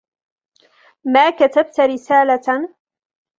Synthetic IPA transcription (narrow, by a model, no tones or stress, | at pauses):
maːkat̪ab̚t̪ɾɪsaːla